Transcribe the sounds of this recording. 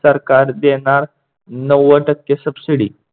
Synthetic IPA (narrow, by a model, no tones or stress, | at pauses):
səɾkaɾd̪eɳ̃aɾ | nəʋəʈəkːesəbsiɽḭ